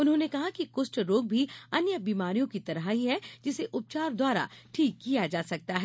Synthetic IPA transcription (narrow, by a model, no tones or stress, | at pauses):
ʊnɦõːnekɐɦakikʊːsʈɾoːɡ̚bʱiɐnjəbiːmaːɾijõkit̪ɐɾɦaɦiɦɛd͡ʒɪseʔʊp̚t͡ʃaːɾd̪waːɾa̰ʈʰiːkːijad͡ʒaːsɐk̚t̪aɦɛ